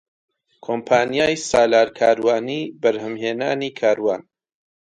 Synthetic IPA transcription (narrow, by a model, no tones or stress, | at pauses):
kʰompʰaːnjaːjsaːlaːɾkʰaːɾwaːniːbəɾhɨmheːnaːniːkʰaːɾwaːn